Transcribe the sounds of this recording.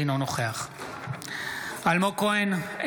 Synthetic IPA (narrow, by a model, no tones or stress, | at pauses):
inonoχeaχ | almokoen